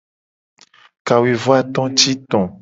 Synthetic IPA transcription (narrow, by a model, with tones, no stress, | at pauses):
ka˨we˨vo˦a˨t̪ɔ̃˦t͡ʃi˦t̪ɔ̃˨